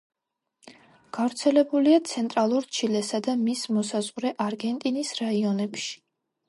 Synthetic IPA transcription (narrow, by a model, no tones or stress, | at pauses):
ɡ̥avɾt̪sʰɛlɛbuliat̪sʰɛnt̪ʼɾalˠuɾt͡ʃʰilɛsad̪amismɔsazʁɾɛʔaɾɡɛnt̪ʼinisɾaiɔnɛpʃi̥